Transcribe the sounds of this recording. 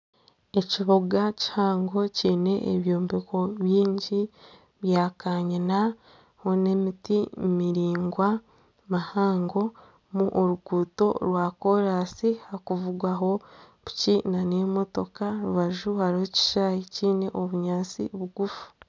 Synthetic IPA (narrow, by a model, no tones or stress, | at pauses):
e̞ciβoɡaci̥haːŋɡo̞ciːne̞ʔːβjoːmbeko̞βjiːɲɟi | βjaːkaːɲina | ho̞ne̞mitimmiɾiːŋɡwa | mahaːŋɡo̞ | muʔoɾuɡuːto̞ɾwaːko̞ɾaːsihakuvuɡwaɦo̞ | βu̥cinanemo̞to̞kaɾuβaʒuhaɾoci̥ʃaːjiciːne̞ʔoβuɲaːt͡sḭβuɡufu̥